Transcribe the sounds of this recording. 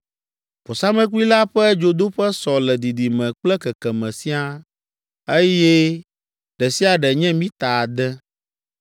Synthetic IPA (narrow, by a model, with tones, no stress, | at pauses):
ɸo˨sa˦mɛ̃˦ku˦i˦la˦ɸɛ˦d͡ʒo˨d̪o˦ɸɛ˦sɔ˨lɛ˨d̪i˨d̪i˨mɛ̃˨k͡plɛ˦kɛ˨kɛ˨mɛ̃˨si˦a˦ | e˦jɛ˦ | ɖɛ˨si˦a˨ɖɛ˨ɲɛ̃˦mĩ˦t̪a˨a˨d̪ɛ˦